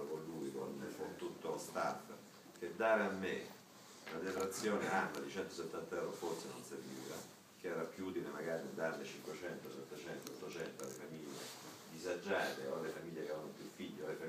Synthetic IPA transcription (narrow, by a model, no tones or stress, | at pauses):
okonluikonkont̪ut̪ːolost̪a̰f | ked̪ːaːɾeamːe | lad̪epɾat̪sːjoːneanːad̪it͡ʃɛnt̪oset̪ːant̪aɛwɾofort̪senonserviːva̰ | k̟eɛːɾapjuuːt̪ilemaɡaːɾiad̪ːaɾlet͡ʃiŋkwet͡ʃɛnt̪osɛt̪ːet͡ʃɛnt̪oot̪ːot͡ʃɛnt̪oalːefamiʎːḛd̪izad͡ʒːaːt̪eoalːefamiʎːekeɛvanopjufːiʎːoalefa